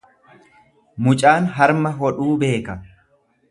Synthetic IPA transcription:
mʊt͡ʃʼaːnɦɐɾmɐɦɔᶑuːbe̞ːkɐ

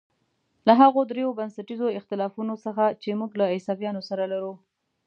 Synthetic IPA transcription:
laɦaɣod̪ɾejobansaʈizoɪxt̪ɪlɑfunosəxat͡ʃemuɡlaɪsɑbjɑnosaɾalaɾu

